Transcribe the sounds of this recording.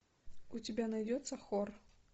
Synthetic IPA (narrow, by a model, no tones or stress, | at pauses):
ut͡sʲibʲanajd͡zʲɛt̪sːɐxɔr